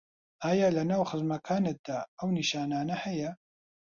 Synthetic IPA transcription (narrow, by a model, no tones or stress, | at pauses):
ʔaːjaːlɐnaːwxɨzmɐkʰaːnek̚d̪̥aːɐwniʃaːnaːnɐhɐjɐ